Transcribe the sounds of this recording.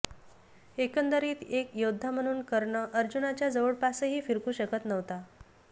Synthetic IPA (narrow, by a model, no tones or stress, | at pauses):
ekənd̪əɾiːt̪ekjod̪ʱːam̤əɽ̃uːnkəɾɳəʔəɾd͡ʑunat͡ɕjad͡zəʋəɽpasəɦiːfiɾkuːɕəkət̪nəʋt̪a